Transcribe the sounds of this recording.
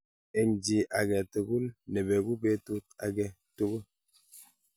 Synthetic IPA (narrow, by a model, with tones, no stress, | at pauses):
e˨ɲ˨d͡ʒi˨ʔa˨ɡɛ˨te˨ɡu˦lnɛ˨be˨ɡu˦be˦tu˦t̚a˨ɡɛ˦ | to˦ɣo˦